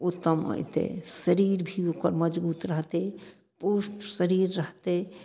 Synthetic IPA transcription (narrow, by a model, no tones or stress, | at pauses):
ʊt̪ːəmo̰jt̪ḛsəɾiɾbʱiokəɾməd͡ʒbuːt̪ɾəɦt̪e | puːʃʈsəɾiːɾːəɦt̪e